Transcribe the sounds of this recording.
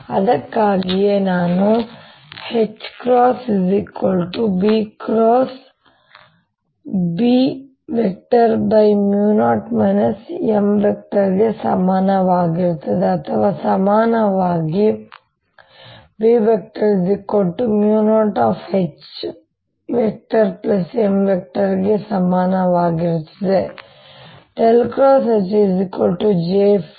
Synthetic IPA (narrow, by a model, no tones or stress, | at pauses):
ɐd̪ɐkːaːɡijenaːnu | het͡ʃːkɾoːsizikːolʈubikɾoːs | bi | ʋek̚ʈɐɾbɐjmjuːnaːʈmɐnɐsemʋek̚ʈɐɾɡesɐmaːnɐʋaːɡiɾt̪ɐd̪eɐt̪ʰɐʋaːsɐmaːnɐʋaːɡi | biːʋek̚ʈɐɾizikoʈːumjunoːʈaːfet͡ʃ | ʋek̚ʈɐɾplɐsemʋek̚ʈɐɾɡesɐmaːnɐʋaːɡiɾt̪ːɐ̥d̪e | ʈelkɾoːset͡ʃizikolʈud͡ʒe